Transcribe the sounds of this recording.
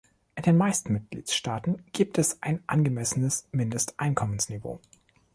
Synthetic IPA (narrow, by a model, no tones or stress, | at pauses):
ʔɪndeːnmaɪstn̩mɪt̚ɡ̥lḭːtʃtaːtn̩ɡ̥iːp̚tʰɛsʔaɪnʔa̰nɡəmɛsənəsmɪndəstʔaɪnkʰɔmənsnivo̰ː